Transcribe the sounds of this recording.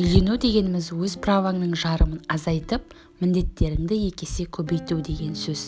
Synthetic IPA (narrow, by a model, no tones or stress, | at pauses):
j̪e̞nud̪e̞ɡʲe̞nɪmɪzwɵzpravaŋnəɴʒɑɾəmənɑzɑjt̪əp | mɪnd̪e̞t̪ːe̞ɾɪmd̪ɪje̞kʲe̞sekʲʰɵbe̞jt̪ud̪e̞ɡʲe̞nsɵz